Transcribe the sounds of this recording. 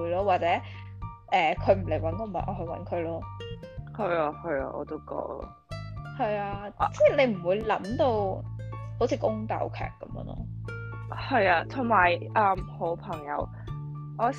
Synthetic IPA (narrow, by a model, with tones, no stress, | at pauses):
lɔː˥waː˨t̚t͡sɛː˨˥ | ʔɛː˨kʰɵ˨˧ɥm̩˨˩le˨˩jwɐ˨˥nko˧mɐ̰˨˩nʔɔ̰ː˨˧ɦɵ˧ɥwɐ̰˨˥nkʰɵ˨˧ɥlɔː˥hɐ˨˧ja˧hɵ˨˧jɐ̰˧ʔɔ̰ː˧t̪o˥wkɔ̰ː˧˥k̚lɔ̰ː˥ | hɐ˨jaː˧t͡sɛː˥˩ne˨˧jm̩˨˩wuː˨˧jlɐ˨˥mt̪o˧w | ho˨˥wt͡sʰiː˨˧kʊ˥ŋt̪ɐ̰˧wkʰɛ̰ː˨˩kːɐ˧˥mjə̰ː˧nɔ̰ː˥ | hɐ˨jaː˧t̪ʰʊ˨˩ŋmaː˨˩jɐː˨mho˨˧˥wpʰɐ˨˩ŋjɐ̰˨˧w | ʔɔː˨˧